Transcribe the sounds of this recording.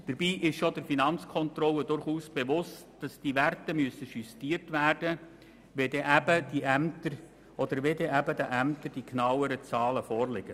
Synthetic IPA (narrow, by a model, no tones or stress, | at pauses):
d̥əɾbiːʔɪʃʃodəɾfinɑnt͡skʰɔnt̪ɾɔlːədʊɾχuːsb̥eʋʊstd̥ɑsd̥iʋærtəmyəsəʃystiːəɾtvæːrd̥ə | ʋedɛʔæbəd̥iʔæmt̪əɾ | ʔɔd̪̥əɾʋedɛʔæbədæʔæmt̪əɾd̥iknɑwəɾət͡sɑːləfɔːɾlɪɡ̥ə